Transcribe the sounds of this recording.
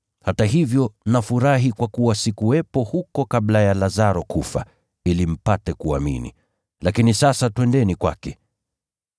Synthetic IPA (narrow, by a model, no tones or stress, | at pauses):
hataɦivjɔnafuɾaɦikwakuwasikuwɛpɔhukɔkablajalazaɾɔkufa̰ | ilim̩patɛkuamḭnḭ | lakinisasatwɛndɛnikwa̰kɛ